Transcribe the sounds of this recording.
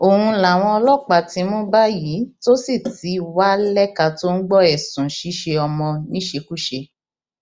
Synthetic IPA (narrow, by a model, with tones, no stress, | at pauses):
o˨hũ˧la˨w̃ɔ̃˧ɔ˧lɔ˦˨k͡pa˨ti˧˦mõ˦ba˦ji˨˦to˦si˦˨ti˨˦wa˦lɛ˦ka˧to˦n̩˦ɡ͡bɔ˦ɛ˨sũ˨ʃi˨˦ʃe˧ɔ˧mɔ̃˧nĩ˦ʃe˧ku˦ʃe˧